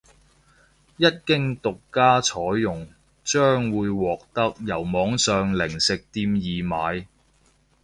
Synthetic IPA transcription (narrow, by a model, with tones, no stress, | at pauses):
jɐ˥t̚kɪ˥ŋt̪ʊ˨kːaː˥t͡ʃʰɔː˨˥jːʊ˨˩ŋ | t͡ʃœː˥ŋwuː˨˧jwɔː˨k̚t̪ɐ˥k̚jɐ˨˩wmɔː˨˧ŋsœː˨ŋlɪ˨˩ŋsɪ˨k̚t̪iː˧mjiː˨˩maː˨˧j